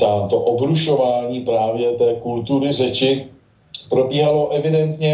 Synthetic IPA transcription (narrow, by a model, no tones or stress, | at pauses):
t̪aːt̪o̞ʔobɾuʃovaːɲiːpɾaːvjɛt̪ɛːkult̪uɾɪrɛt͡ʃɪ | pɾo̞biːɦalo̞ʔɛvɪdɛnt̪ɲɛ